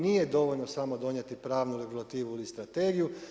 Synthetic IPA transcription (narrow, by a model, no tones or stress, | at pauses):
nije̞d̪o̞ʋo̞ʎnosamo̞d̪o̞ɲe̞t̪ipɾaːʋnuleɡislˠat̪iːʋuilist̪ɾat̪e̞ːɡiju